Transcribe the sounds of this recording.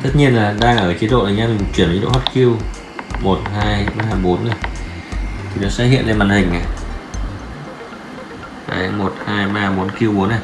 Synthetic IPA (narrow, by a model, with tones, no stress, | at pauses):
t̪ə˦˥t̚ɲi˧ənlaː˨˩ɗaː˧ŋaː˧˩ʔəː˨˩ki˨˦ɗo̰˧˨laː˨˩ɲaː˧mi˨˩m̚˨˩t͡ɕwi˧˩n˨˦ɗo̰˧˨ha˦˥t̚ki˧əw | mo˨˩t̚ɦaː˧jɓaː˧ɦaː˧˩jɓo˨˦nːa˨˩j | t̪ʰi˨˩nɔ˨˦saː˨˦˥hḭ˧˨ənle˧nmaː˨˩nhï˨˩ŋ̟ːa˨˩ | ka̰ː˨˩jmo˨˩t̚haː˧jɓaː˧haː˧jɓo˨˦nki˧əwɓu˨˦əna˨˩